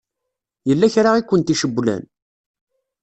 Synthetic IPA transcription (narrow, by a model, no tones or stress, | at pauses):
jəlːæçɾaikʷːənt̪iʃəbːlæ̰n